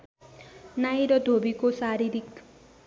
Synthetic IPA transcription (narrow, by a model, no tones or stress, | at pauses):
najɾʌd̪ʱobikosaɾiɾik